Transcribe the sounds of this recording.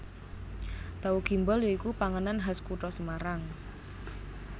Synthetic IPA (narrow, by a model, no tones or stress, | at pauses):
t̪auɡ̥i̤mbɔljoikupaŋənanɦaskuʈɔsəmaɾaŋ